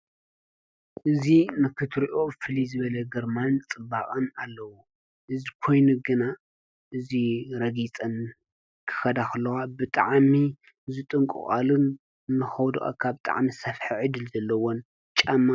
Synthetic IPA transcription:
ʔɨzinɨkʰɨt̪ʰɾiʔo̞fɨlizɨβɐlɐɡɐɾmant͡sʼɨbakʼɐnalːɐwu | ʔɨzikʰo̞jnuɡɨna | ʔɨziɾɐɡit͡sʼɐn | kʰɨ̥xɐd̪axɨlːɐxabɨt̪ʼaʕmi | zɨt̪ʼɨŋkʼɨ̰χʼalɨn | nɨxɐwd̪oʔa̰kʰaβt̪ʼa̰ʕmisɐfħiʕɨd̪ɨlzɐlːɐwon | t͡ʃʼamːa

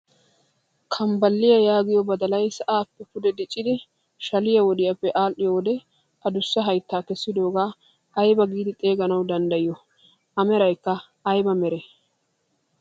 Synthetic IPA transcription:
kʰɐmbɐlːɪjɐjaːɡɪjɔbɐd̪ɐlɐjsɐʔaːpːɛkʊd̪ɛd̪ɪt͡ʃʼːɪd̪ɪ | ʃɐlɪjɐwɔd̪ɪjɐpːɛʔaːlʔɪjɔwɔd̪ɛ | ʔɐd̪ʊsːɐɦɐjt̪ːaːkɛsːɪd̪o̞ːɡaː | ɐjbɐɡiːd̪ɪt̪ʼe̞ːɡɐnɐwd̪ɐnd̪ɐjɪjɔ | ɐmɛɾɐjkːɐː | jbɐmɛɾɛ

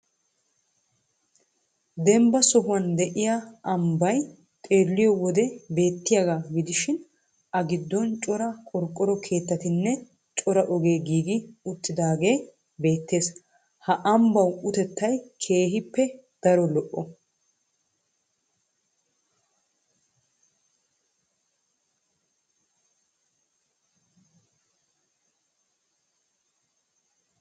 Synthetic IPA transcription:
d̪ɛmbɐsɔɦʊwɐnd̪ɛʔɪjaɐmbɐj | t̪ʼe̞ːlːɪjɔwɔd̪ɛbe̞ːt̪ːɪjaɡaːɡɪd̪ɪʃɪn | ɐɡɪd̪ːɔnt͡ʃʼɔɾɐkʼɔɾkʼːɔɾɔkʰe̞ːt̪ːɐt̪ɪnːɛ | t͡ʃʼɔɾɐʔɔɡe̞ːɡiːɡɪʊt̪ːɪd̪aːɡe̞ː | be̞ːt̪ːe̞ːs | hɐʔɐmbɐwʊt̪ɛt̪ːɐjkʰe̞ːɦɪpːɛ | d̪̥ɐɾɔlɔʔːɔ

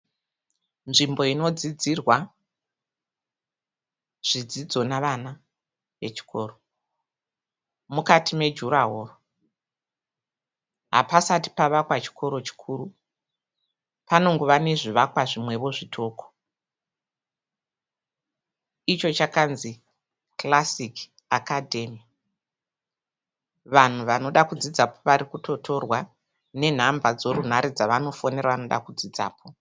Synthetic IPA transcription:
nʐimbo̞ino̞d͡zid͡zirwa | ʐ̥id͡zid͡zo̞naʋana | ʋe̞t͡ʃi̥kʰo̞ːro | mukatime̞d͡ʒuɾaɦoːro | ɦa̰pasati̥paʋakwat͡ʃi̥kʰo̞ɾo̞t͡ʃi̥kʰuːɾu | pano̞ŋɡoʋane̞ʐiʋakwaʐimwe̞ʋo̞ʐitʰo̞ːko̥ | it͡ʃo̞t͡ʃakanzi | klasik | akadʱe̞mi | ʋan̤uʋano̞ɗakud͡zid͡zapoʋaɾikuto̞tʰo̞rwa | ne̞n̤ambad͡zo̞run̤aɾid͡zaʋano̞fo̞ne̞ɾaʋano̞ɗa̰kud͡zid͡za̰ːpʰo

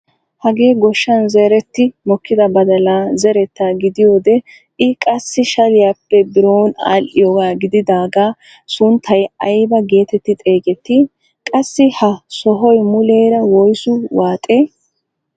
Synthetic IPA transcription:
hɐɡeːɡɔʃːɐnzeːɾɛt̪ːɪmɔkːɪd̪ɐbɐd̪ɐlaːzɛɾɛt̪ːaːɡɪd̪ɪjoːd̪ɛ | ʔɪkʼɐsːɪʃɐlɪjaːpːɛbɪɾoːna̰ːlʔɪjoːɡaːɡɪd̪ɪd̪aːɡaː | sʊnt̪ʰːɐjɐjbɐɡe̞ːt̪ɛt̪ːɪt̪ʼe̞ːɡɛt̪ːɪ | kʼɐsːɪhɐsɔɦɔjmʊle̞ːɾɐwɔjsʊwaːt̪ʼeː

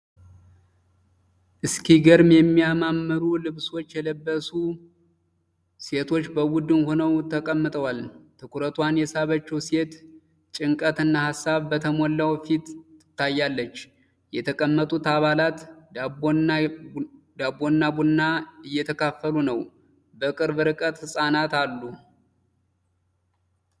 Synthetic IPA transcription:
ʔɨskʰiɡəɾmjɛmːijamamːɨɾulɨβso̞t͡ʃːjɛləbːəsu | se̞t̪ʰo̞t͡ʃːbəwʊd̪ːɨnho̞nəwt̪ʰːəkʼəmːɨt̪ʼəwalt̪ʰɨkʰuɾət̪ʰwanjɛsaβət͡ʃːɛwse̞t̪ | t͡ʃʼɪŋkʼət̪ɨnːahasːaβbət̪ʰəmolːawfit̪ɨt̪ːajːalːət͡ʃː | jɛt̪ʰəkʼəmːət̪ʼut̪aβalat̪ | d̪abo̞nːabunːaɨjːɛt̪ʰəkʰafːəlunəw | bəkʼɨɾbɨɾɨkʼət̪hɨsʼanat̪alːu

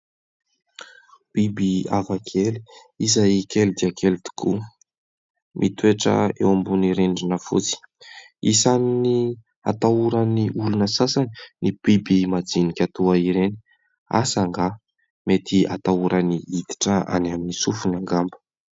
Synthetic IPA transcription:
pibiavakʰeli̥ | izajikelid̪iakelit̪u̥kʰu | mʔit̪ueʈ͡ʂə̰ḛwambuniɾenɖ͡ʐinəfṵt͡si̥ | isanini | a̰t̪auɾaniʔulunəsasani̥nibibimad͡zinikʲat̪uaiɾeni̥ | a̰saŋɡa | met̪ia̰t̪auɾaniid̪i̥ʈ͡ʂəa̰naminisufunaŋɡambə̥

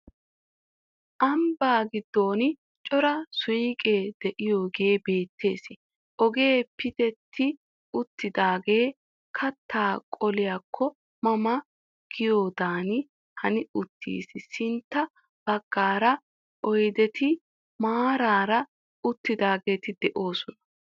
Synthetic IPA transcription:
ʔɐmbaːɡɪd̪ːo̞ːnɪ | t͡ʃʼɔɾɐsʊjkʼe̞ːd̪̥ɛʔɪjoːɡe̞ːbe̞ːt̪ːe̞ːsɪ | ʔɔɡe̞ːpɪd̪ɛt̪ʰːɪ | ʊt̪ːɪd̪aːɡe̞ː | kʰɐt̪ːaːkʼɔlɪjakʰːɔ | mɐmɐ | ɡ̥ɪjoːd̪aːnɪ | hɐnɪʊt̪ːḭːsɪsɪnt̪ːɐ | b̥ɐɡ̥ːaːɾɐ | ʔɔjd̪ɛt̪ɪ | maːɾaːɾɐ | ʊt̪ːɪd̪aːɡe̞ːt̪ɪd̪ɛʔo̞ːsɔnɐ̥

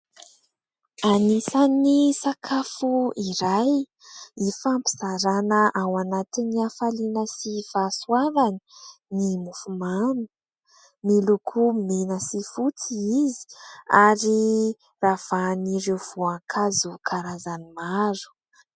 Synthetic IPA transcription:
anisanisakʰafuiɾaj | ifampi̥z̥aɾanəʔawanat̪iniafalinəsivaswavani̥nimufumanu̥ | milukʰumenəsifut͡siizi̥aɾi | rav̥aniɾewv̥uaŋkʰazukʰaɾazanimaɾu̥

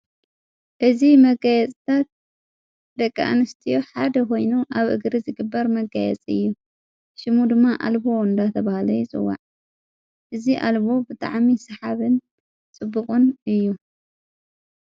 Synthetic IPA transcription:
ʔɨzimɐɡajɛt͡sʼt̪ʰat̪̚ | d̪ɐkʼːʔa̰nɨst̪ʰijoħad̪ɐkʰo̞jnuʔaβʔɨ̰ɡɾizɨɡɨbːɐɾmɐɡajɛ̰t͡sʼɨ̰jːu | ʃɪmud̪ɨmːaʔa̰lbo̞ɨnd̪at̪ʰɐβahlɐjut͡sʼɨ̰wːa̰ʕ | ʔɨziʔalbo̞bɨt̪ʼa̰ʕmisɨħaβɨn | t͡sʼɨbːɨkʼunɨjːu

